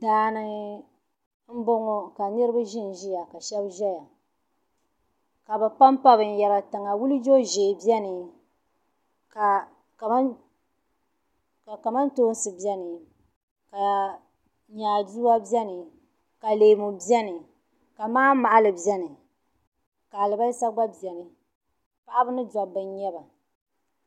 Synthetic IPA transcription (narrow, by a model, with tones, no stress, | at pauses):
daː˦nɨ˦ | m̩˦bo˦ŋo˦ka˨nɨ˦ɾɨ˦ba˦ʒɪ˦n˨ʒi˦ja˨ka˨ʃɛ˦bʒɛ˦ja˨ | ka˨ba˨pa˦mpa˦βɨ˨n˦˨jɛ˨ba˨tɨ˨ŋa˨wu˦lɨ˦d͡ʒo˦ʒe˨bjɛ˦nɨ˨ | ka˨ | ka˨ma˦ | ka˨ka˨ma˦ntoː˦n˦sɨ˨bɛ˦nɨ˨ | ka˨ | ɲaː˨duː˦wa˦bi˦ɛ˦nɨ˨ | ka˨leː˨mu˨bi˦ɛ˦nɨ˨ | ka˨maː˦ma˨ʔa˦lɨ˨bɛ˦nɨ˨ | ka˨lɨ˨ba˦lsa˦ɡ͡ba˦bɛ˨nɨ˨ | pa˨ʔa˦bɨ˦nɨ˦da˨bɨ˨ɲɲɛ˦ba˨